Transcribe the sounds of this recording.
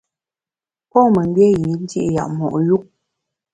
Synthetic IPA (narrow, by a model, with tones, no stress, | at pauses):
pɔ˦mə˨ŋ˦ɡjɛ˦ji˨˦n˦dji˦ʔja̰˨mɔ̰˨ʔju˦k̚